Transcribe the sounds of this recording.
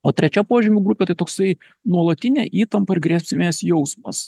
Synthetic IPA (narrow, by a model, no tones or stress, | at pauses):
oːt̪ʲɾʲɛt͡ʃʲɛpoːʒʲɪmʲʊɡɾʊpʲeːt̪ɐɪt̪oːksɐɪ | nuɔlˠɐt̪ʲɪnʲæ̰ʔiːt̪ɐmpɐɪɾɡɾʲæːsʲpʲsʲɪmʲeːsjɛʊsmɐs